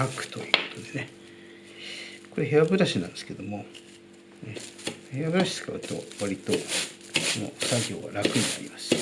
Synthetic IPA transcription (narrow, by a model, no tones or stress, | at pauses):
akɯ̟̥t̪o̞jɯ̟ːko̞̥t̪o̞d̪e̞ne̞ | ko̞ɾe̞ɦe̞abɯ̟ɾaɕinãnd̪e̞sɨ̥ke̞d̪o̞mo̞ | ehe̞abɯ̟ɾaɕi̥t͡sɨ̥ka̰ɯ̟t̪o̞̰βaɾʲit̪o̞ | sono̞̰saɡʲo̞ːβa̰ɾakɯ̟ɲ̟ina̰ɾʲḭmasɨ̥